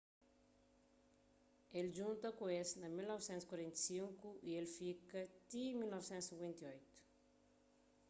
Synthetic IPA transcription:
eld͡ʒunt̪ɐkwesnamilnɔwsɛnskwaɾɛnt̪siŋkuʔielfikət̪imilnɔwsɛ̃nsiɡwɛnt̪iɔjt̪

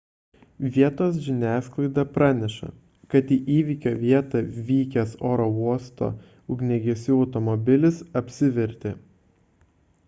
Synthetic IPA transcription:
ʋʲiɛt̪oːs̬ʒʲɪnʲæːsklˠɐɪd̪ɐpɾɑːnʲɛʃɐ̰ | kɐt̪iːʔiːʋʲiːkʲoːʋʲiɛt̪ɐʋʲiːkʲɛsoːɾɔuɔst̪o̰ː | ʊɡnʲɛɡʲɛsʲuːɒʊt̪ɔmɔbʲɪlʲɪsɐpʲsʲɪʋʲɛɾʲt̪ʲɪ

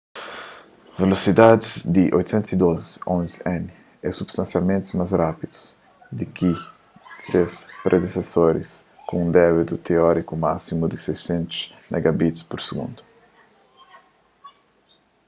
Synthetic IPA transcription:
velosid̪ad̪izd̪iʔo̰jt̪u̥sẽnt̪usid̪ozõnzɛn | ɛsubst̪ãnsjalmẽnt̪zmasrapid̪u̥s | d̪ikʰi | sespɾʔed̪esesoɾḭs | kũũnd̪ɛβit̪ut̪ʰeɔɾikuma̰simud̪isesẽnt̪u̥smɛ̰ɡabit̪spuɾseɡṵ̃nd̪u̥

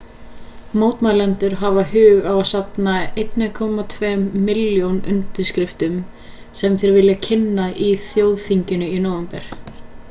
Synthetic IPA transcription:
moːwt̪malɛnt̪ʏɾ̥ɦavaɦʏːɣavasapnaejt̪nɪkʰɔmat̪ʰvɛːmːɪljownʏ̰mt̪ɪɾ̥skɾɪft̪ʏm | sɛmθɪːɾaɾvɪljacʰɪnːaʔiθjoːwðθiɲcɪnʏinoːwvɛmpɛɾ̥

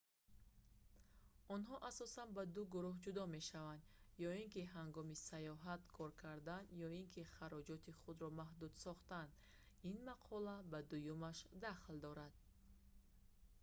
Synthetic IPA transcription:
ɔnɦɔʔasɔsanbad̪uɡuɾuɦd͡ʒud̪ɔme̞ʃavand̪jɔiŋkiɦaŋɡɔmisajɔɦat̪kʰɔɾkʰaɾd̪anjɔiŋkʰiχaɾɔd͡ʒɔt̪ʰiχud̪ɾɔmaɦd̪ud̪sɔχt̪and̪ | inmaqʰɔlabad̪ujumaʃd̪aχld̪ɔɾad̪̥̚

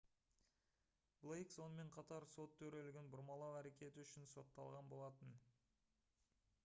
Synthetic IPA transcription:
blˠejkso̞nəme̞ɴqʰɑt̪ɑɾso̞t̪ʰːɵɾe̞lɪɡʲɪnbʊɾmɑlˠɑwæɾe̞kʲe̞t̪ɪʏʃɪnso̞t̪ːɑ̰lˠʁɑnbo̞lˠɑt̪ən

